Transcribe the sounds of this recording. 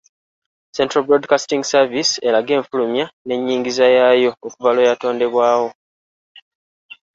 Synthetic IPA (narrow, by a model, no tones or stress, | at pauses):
se̞ntɾabɾo̞dkastiŋɡsavise̞laɡe̞ːɱfulumjane̞ɲːiːŋɡizajajo̞ːkuvalo̞jato̞ːnde̞βwaːwo̞